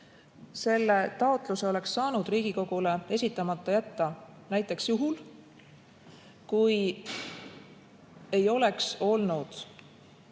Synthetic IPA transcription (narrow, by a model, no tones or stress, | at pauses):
se̞lːe̞t̪ɑot̪ˑluse̞o̞le̞ksːɑːnud̪̥riːɡ̥iko̞ɡ̥ule̞e̞sʲit̪ːˑɑmɑt̪ːˑɑjæt̪ːɑnæjt̪ːˑe̞ksjuɦul | kuj | e̞jo̞le̞kso̞lnud̪̥